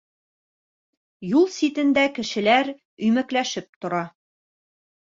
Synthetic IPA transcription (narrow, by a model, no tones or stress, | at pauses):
julˠsit̪ɘ̆nd̪ækɘ̆ʃɘ̆læɾ | ɵ̆jmæklæʃɘp̚t̪ŏɾɑ